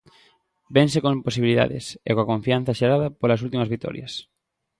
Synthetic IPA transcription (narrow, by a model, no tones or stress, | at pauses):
beŋsekõŋposiβiliða̰ðḛsḛkoakõɱfian̟θɐʃeɣaðɐpolɐsult̪imɐzβik̚t̪ɔ̰ɾjɐ̰s